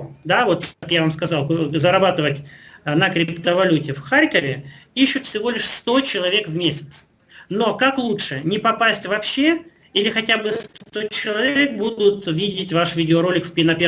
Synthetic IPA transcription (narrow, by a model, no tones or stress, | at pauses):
d̪avo̞t̪kakjavamskɐzɑlˠkzəɾɐbat̪ɨvətʲnəkɾʲɪpt̪əvɐlʲutʲɪfxaɾʲkəvʲɪiɕːʊt̪fsʲɪvo̞lʲɪʂst̪o̞t͡ɕɪlˠɐvʲe̞kvmʲesʲɪ̥t̪s | no̞kaklˠutʂɨnʲɪpɐpasʲtʲvɐpɕːe̞ | ilʲɪxɐtʲabɨst̪ot͡ɕɪlˠɐvʲek̚bud̪ʊt̪vʲidʲɪtʲvaʂvʲidʲɪoɾo̞lʲɪkfpʲɪnɐpʲe